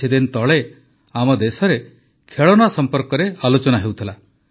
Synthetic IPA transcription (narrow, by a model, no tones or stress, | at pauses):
id̪ent̪ɔɭe | amɔd̪esɔɾe | kʰeɭɔnasɔmpɔɾkɔɾealot͡ʃɔnaɦewt̪ʰila